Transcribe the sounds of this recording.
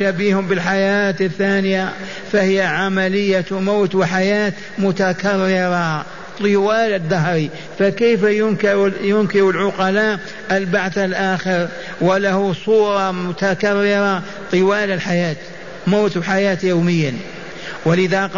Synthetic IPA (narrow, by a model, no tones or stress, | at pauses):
abiːhʊmbɪlħajaːt̪ɪθːaːnɪja | fahɪjaʕamalɪjːamoːt̪wɪħajaːt̪ | mʊt̪akarːɪɾɑ | t̪ˤːɨwaːlɪd̪ːaɦɾi | fakajfajʊnkɪɾjʊnkɪɾʊlʕʊqɑlaːʔ | ʔɪlbaʕθalʔaːxɪɾ | wɪlahusˤuːɾˤɑmʊt̪akarːɪɾˤɑ | t̪ˤɨwaːlɪlħajaːt̪ | moːt̪wħajaːt̪joːmɪjːa | wɪlɪðaq